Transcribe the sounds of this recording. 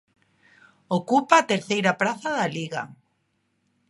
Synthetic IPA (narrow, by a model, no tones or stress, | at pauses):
okupaːt̪eɾθejɾapɾaθaðaliɣa̰